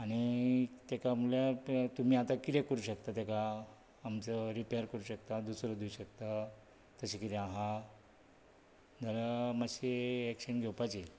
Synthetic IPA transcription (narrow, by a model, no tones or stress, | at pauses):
aɽ̃it̪ekamuljat̪um̤iːat̪akit̪ekəɾuɕəkt̪at̪ekaː | mt͡səɾipejəɾkəɾuɕəkt̪ad̪usɾəd̪uːɕəkt̪a | t̪əɕekit̪eaɦa | d͡zʱəlamaɕeːkɕənɡʱewpat͡ɕi